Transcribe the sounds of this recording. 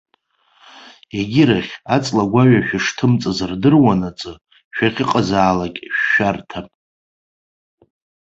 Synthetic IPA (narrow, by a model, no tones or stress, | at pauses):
eɡʲɪɾaχʲat͡sʼlaɡʷaɥaʃᶣɪʂtʰɨmt͡sʼɨzɨrdɨrwanat͡sʼɨ | ʃᶣaχʲɪqʼazaːlakʲʼʃːartʰapʼ